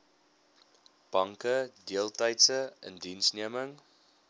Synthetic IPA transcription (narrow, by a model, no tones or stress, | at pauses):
b̥ɐŋkədiəlˠtɛjtsəə̰ndinsniəməŋ